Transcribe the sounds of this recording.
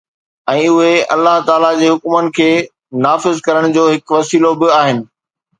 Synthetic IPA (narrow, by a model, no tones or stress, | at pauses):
ɛ̃ːʊɦeɐ̰lːaɦt̪aːlad͡ʑeːɦʊkmənɪ̆kʰeː | naːfɪzkɐɾəɽ̃̆d͡ʑoːɦɪkʋɐsiːlobɪaːɦɪnɪ̆